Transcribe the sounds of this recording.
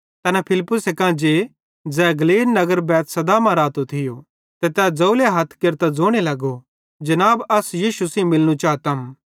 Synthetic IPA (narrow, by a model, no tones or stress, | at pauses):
t̪ɐnɛpʰɪlɪpːʊsekãːd͡ʒe | d͡zɛːɡɐliːlnɐɡəɾbɛːt̪sɐd̪amɐ̃ɾaːt̪ot̪ʰɪjo | t̪ɛt̪ɛːd͡zɐuleɦɐt̪ʰkeɾt̪ad͡zoːɽ̃elɐɡo | d͡ʒɐnaːbɐsjiːʃusĩmɪlñũt͡ʃaːt̪ɐm